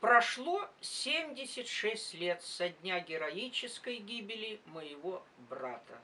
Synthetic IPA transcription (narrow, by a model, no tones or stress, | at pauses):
pɾɐʂlˠosʲemʲdʲɪsʲɪtʲʂɛsʲtʲlʲet̪sɐdʲnʲaɡʲɪɾɐit͡ɕɪskəjɡʲibʲɪlʲɪməjɪvo | brat̪ə̰